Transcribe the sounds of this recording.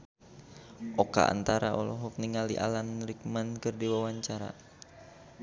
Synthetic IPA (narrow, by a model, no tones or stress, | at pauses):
ʔɔka̰a̰nt̪aɾaʔɔlɔɦɔkniŋalḭʔa̰lanɾik̚mankɨrdiwawaɲt͡ʃaɾa̰